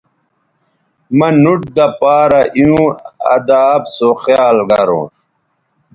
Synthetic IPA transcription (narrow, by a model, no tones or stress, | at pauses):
mɐnuʈ̚d̪ɐpaːɾɐʔiũɐ̰d̪aːbsoxjaːlɡɐɾõ̰ː